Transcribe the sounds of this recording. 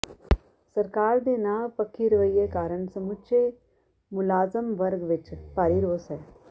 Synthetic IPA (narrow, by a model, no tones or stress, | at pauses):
sɐɾkaːɾd̪eːnaːpəkʰːiɾɪʋəjːekaːɾəɳsɐmʊtːʃʰe | mʊlaːzəmʋɐɾɡʋɪt͡ʃpaːɾiɾoːsɦɛː